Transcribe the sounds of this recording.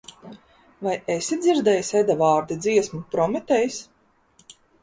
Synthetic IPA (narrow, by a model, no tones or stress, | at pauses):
vajesid̪zʲiɾd̪ɛjsɛd̪avɑːɾd̪id̪ziɛsmupɾɔmɛt̪ɛjs